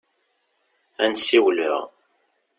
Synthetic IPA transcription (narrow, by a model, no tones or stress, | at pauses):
ænsiwlə̰ʁ